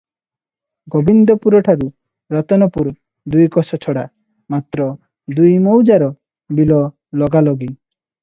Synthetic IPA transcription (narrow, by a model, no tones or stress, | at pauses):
ɡɔbind̪ɔpuɾɔʈʰaɾu | ɾɔt̪ɔnɔpuɾ | d̪ujkɔsɔt͡ʃʰɔɽa | mat̪ɾɔ | d̪ujmowd͡ʒaɾɔ | bilɔ | lɔɡalɔɡi